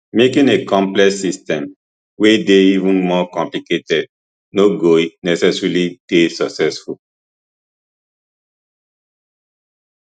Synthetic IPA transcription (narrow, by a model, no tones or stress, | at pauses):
mekĩnekɔ̃mplɛksistɛ̃m | wedeivə̃nmɔkɔ̃mpliketɛd̚ | noɡoinɛsɛsɹulid̥esɔksɛsful